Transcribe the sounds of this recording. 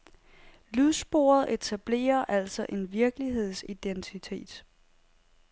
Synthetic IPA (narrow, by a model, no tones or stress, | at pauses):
lyðˠsb̥o̝̰ːɐð̞̩ˠe̝t͡sʰæb̥le̝̰ːɐʔæl̰sɒ̽ʔe̝nʋiɐɡ̥əliɦe̝ð̞̰ˠsid̥ent͡sʰit͡sʰe̝̰ːd̥